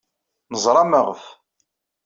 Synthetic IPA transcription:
nəzˤɾˤɑməʁəf

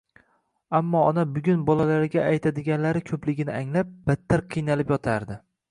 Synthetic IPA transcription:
amːɒɒnabʊɡʲʊnbɒlalaɾɡʲaːjt̪ʰad̪ɪɡʲanlaɾɪkʲʰɵplɪɡʲɪnɪaŋlap̚b̥at̪ʰːaɾqʰɨjnalɪpjɒt̪ʰaɾd̪ɪ

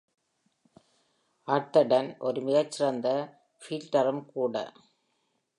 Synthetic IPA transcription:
ʔɐɾt̪ːɐɖɐnʔɔɾɯmɪɣɐt͡ʃːɪɾɐnd̪ɐ | fiːlʈɐɾɯmkuːɽɐ̰

